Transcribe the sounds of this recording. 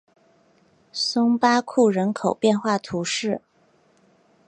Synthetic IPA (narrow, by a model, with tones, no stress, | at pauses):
sʊ˥ŋpa˥kʰu˥˩ɻə˧˥nkʰo˨˩ʊpjɛ˥˧nxwa˥˩t̪ʰu˧˥ʂɻ̩˥˩